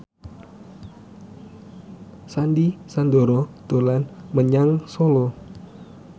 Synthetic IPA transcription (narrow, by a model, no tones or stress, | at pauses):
sandisand̪oɾɔd̪̥o̤lanməɲaŋsolɔ